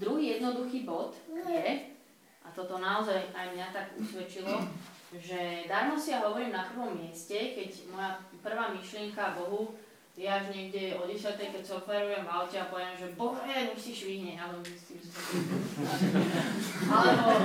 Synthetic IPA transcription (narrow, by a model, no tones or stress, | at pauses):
d̪ɾuɦiːjɛd̪nɔd̪uxiːbɔt̪jɛ | ʔat̪ɔt̪ɔnaɔzajʔajmɲat̪aɡusʋɛt͡ʃilɔ | ʒɛd̪aɾmɔsijaɦɔʋɔɾiːmnapr̩ʋɔmːɪɛscɛkɛɟmɔjapr̩ʋaːmiʃlɪɛŋkabɔɦu | jaːʒɲɪɛɡɟɛɔɟɛsɪat̪ɛjkɛcsɔxlɛɾujɛmvaʊcɛapɔʋɛmʒɛbɔxɛɛnuʃsiʃʋiɦɲɛalɛisliːmʃɛsat̪itɔaɛ | alɛbɔ